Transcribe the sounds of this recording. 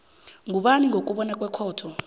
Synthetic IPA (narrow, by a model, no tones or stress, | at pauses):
ŋʱuɓaniŋɡʱok̬ʼuɓɔnakʼwɛkʰɔːtʰɔ